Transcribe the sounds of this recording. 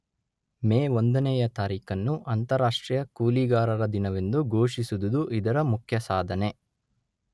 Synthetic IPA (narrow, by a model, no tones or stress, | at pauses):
meːond̪ɐnɛjɐt̪aːɾiːkɐnːuʔɐnt̪ɐɾaːʂʈɾiːjɐkuːliɡaːɾɐɾɐd̪inɐʋe̞nd̪uɡʱoːʂisud̪ud̪uʔid̪ɐɾɐmukʰjɐsaːd̪ʱɐne̞